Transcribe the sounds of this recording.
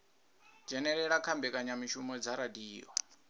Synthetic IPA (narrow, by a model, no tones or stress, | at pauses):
d͡ʒɛnɛɺɛɺakʰambɛkʼaɲamiʃumɔd͡zaɾadiːjɔ̰